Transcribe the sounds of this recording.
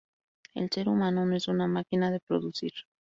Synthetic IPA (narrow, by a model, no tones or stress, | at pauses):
e̞̰lse̞ɾumãnonoesunamakinaðe̞pɾo̞ðusiɾ